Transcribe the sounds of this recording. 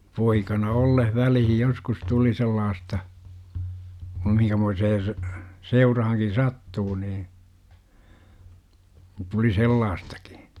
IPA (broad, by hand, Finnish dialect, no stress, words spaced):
poikɑnɑ olːeh ʋælihij joskus tuli selːɑːstɑ kum mihiŋkæmoiseː s seurɑhɑŋkin̞ sɑtːuː niː tuli selːɑːstɑ̥ki̥